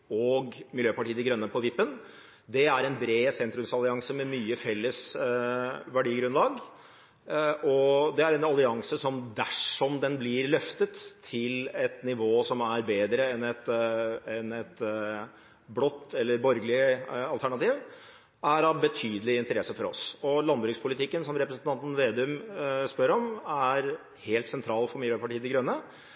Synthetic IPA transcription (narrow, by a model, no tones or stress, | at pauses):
ɔɡmɪljøːpɑʈiːəd̪ɪɡɾœnːəpʰɔʋɪpːən | d̪ɛæɾɛnbɾeːsɛnt̪ɾʉmsɑlɪɑŋsəmɛmyːəfɛlːəs | ʋæɖiːɡɾʉnlɑːɡ | ɔd̪ɛæɾɛnɑlɪɑŋsəsɔmd̪æʂɔmd̪ɛnblɪɾlœft̪ət̪ʰːɪlɛt̪nɪʋoːsɔmæɾbeːd̪ɾəɛnɛt̪ɛnɛt̪ | blɔt̪ːɛlːəɾbɔɾɡəlɪɑlt̪ʰæɳɑt̪iːʋ | æɾɑʋbət̪ʰyːd̪əlɪɪnt̪əɾɛsːəfɔɾɔ̰sɔlɑnbɾʉːkspʰʊlɪt̪ɪkːənsɔmɾɛpɾəsən̩t̪ɑnt̪n̩ʋeːd̪ʉmspœɾɔmæɾ | heːlt̪sɛnt̪ʰɾɑːlfɔɾmɪləːɾpʰɑʈiːəd̪ɪɡɾœnːə